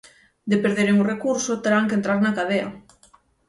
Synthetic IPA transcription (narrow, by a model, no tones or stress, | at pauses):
d̪epeɾðeɾeŋurekuɾsot̪eɾaŋkent̪ɾaɾnakaðeɐ